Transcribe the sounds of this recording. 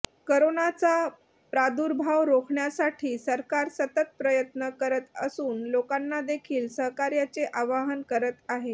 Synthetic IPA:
koɾonat͡sa | pɾad̪uɾbʱaʋɾokʰɳjasaʈʰiːsəɾkaɾsət̪ət̪̚pɾəjət̪nəkəɾət̪əsuːnlokanːad̪ekʰiːlsəɦkaɾjat͡seʔaʋaɦənkəɾət̪aɦe

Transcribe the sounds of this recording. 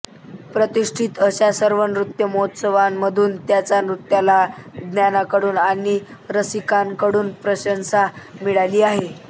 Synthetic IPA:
pɾət̪iʂʈʰit̪əɕjasəɾʋənɾut̪jəmoɦot̪səʋamːəd̪ʱuːnt̪jat͡sanɾut̪jalad̪njanakəɽuːnaɽ̃iɾəsikankəɽuːnpɾəɕənsamiɭaliːaɦe

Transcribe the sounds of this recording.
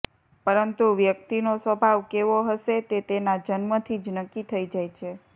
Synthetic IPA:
pəɾənt̪uʋjək̚t̪inosʋəbʱaʋkeʋoɦəʃet̪et̪enad͡ʒənmət̪ʰid͡ʒnəkːit̪ʰəid͡ʒajt͡ʃʰe

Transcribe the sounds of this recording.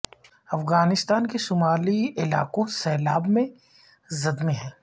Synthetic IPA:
ɐfɣaːnɪst̪aːnkesʊmaːliɪla̰ːqõsɛːlaːbmẽ | zɐd̪mẽɦɛ̃ː

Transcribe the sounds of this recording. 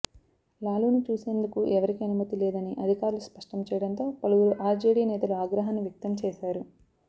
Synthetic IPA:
laːluːnit͡ʃuːse̞ːnd̪ukuʔɛʋɐɾikiɐnumɐt̪ilɛːd̪ɐniʔɐd̪ʱikaːɾuluspɐʂʈɐmt͡ʃɛːjɐɽɐnt̪o̞ːpɐluuɾuʔaːɾd͡ʒeːɽiːnɛːt̪ɐluaːɡɾɐɦanːuʋjɐk̚t̪ɐmt͡ʃɛːʃaːɾu

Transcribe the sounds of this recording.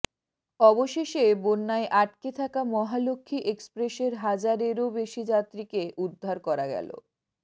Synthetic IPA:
ɔboʃeʃebonːaeʔaʈ̚ket̪ʰakamɔɦalokʰːiʔekspɾeʃeɾɦad͡ʑaɾeɾobeʃid͡ʑat̪ːɾikeʔud̪ʱːaɾkɔɾaɡɛ̰lo̰

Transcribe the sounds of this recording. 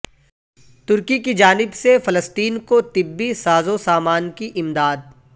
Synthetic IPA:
t̪ʊɾkikid͡ʒaːnɪbsefɐləst̪iːnkot̪ɪbːisaːzosaːmaːnkiʔɪmd̪aːd̪̚

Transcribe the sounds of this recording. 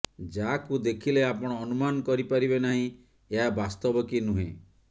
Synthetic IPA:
d͡ʒakud̪ekʰileapɔɽ̃ɔːnumanɔkɔɾipaɾibenaɦĩ | eɦabast̪ɔbɔkinuɦḛ̃

